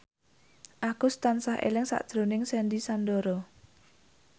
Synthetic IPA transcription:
ʔakust̪ansaɦʔḛlɪŋsa̰ʔd̥ʒ̥ɾo̤nɪŋsɛndisandoɾɔ

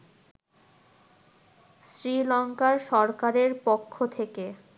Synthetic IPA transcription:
sɾilɔŋkaɾʃɔɾkaɾeɾpokʰːot̪ʰeke

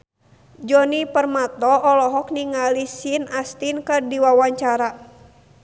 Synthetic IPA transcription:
d͡ʒɔnipərmat̪ɔʔːlɔɦɔk̚niŋalisinast̪inkərdiwawaɲt͡ʃaɾa

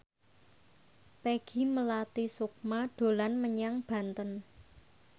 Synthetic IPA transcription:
peɡ̥i̤məlat̪isuk̚maɖ̪̥o̤lanməɲaŋb̥ä̤nt̪ən

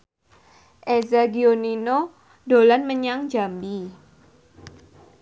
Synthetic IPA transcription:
ʔezaɡionino | dolanməɲaŋd͡ʒambi

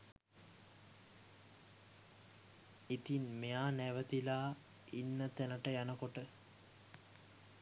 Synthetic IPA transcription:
it̪inmejaːnæʋət̪ilaː | inːət̪ænəʈəjanəkoʈə

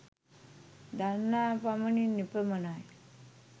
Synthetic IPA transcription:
d̪annːapaməninipəmənaj

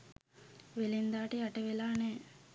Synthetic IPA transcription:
ʋelind̪aːʈəjaʈəʋelaːnɛː

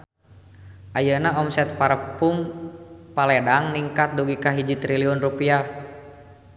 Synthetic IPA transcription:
ʔajənaɔmsɛt̪̚paɾəpum | palɛdaŋniŋkat̪̚duɡikaɦid͡ʒit̪ɾiliɔnrupia

